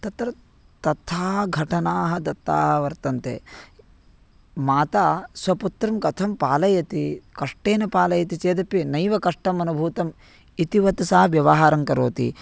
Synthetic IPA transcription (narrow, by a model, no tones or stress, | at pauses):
t̪ɐt̪ɾɐ | t̪ɐt̪ʰaːɡʱɐʈɐnaːɦɐ̆d̪ɐt̪ːaːɦɐʋɐɾt̪ɐnt̪ḛ | maːt̪aːsʋɐput̪ɾɐmkɐt̪ʰɐmpaːlɐjɐt̪ikɐʂʈeːnɐpaːlɐjɐt̪it͡ʃeːd̪ɐpːinɐjʋɐkɐʂʈɐmɐnubʱuːt̪ɐm | it̪iʋɐt̪usaːɐʋjɐʋɐɦaːɾɐŋkɐɾo̰ːt̪ḭ